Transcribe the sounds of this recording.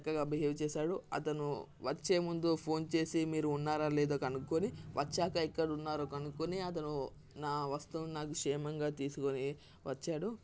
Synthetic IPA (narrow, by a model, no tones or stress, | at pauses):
t͡ʃɐkːɐɡaːbʱɐɦɐʋt͡ʃɛːsaːɽuɐ̰t̪ɐnṵʋɐt͡ʃːe̞ːmund̪upʰo̞ːnt͡ʃe̞ːsimiːɾuːnːaːɾaːlɛːd̪oːkɐnukːoniʋʔɐt͡ʃːaːkɐikːɐɽɐunːaːɾokɐnukːoniɐt̪ɐnu | naːʋɐst̪unaːkukʂɛːmɐŋɡaːt̪iːsukoni | ʋɐt͡ʃːaːɽu